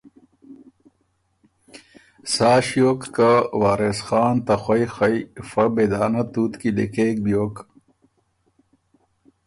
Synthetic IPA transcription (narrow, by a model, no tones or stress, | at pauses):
saːɕjoːkːawaːɾesxaːnt̪ɐxwɐjxɐjfɐbed̪aːnɐt̪uːt̪kid̪ḛkeːk̚bijoːk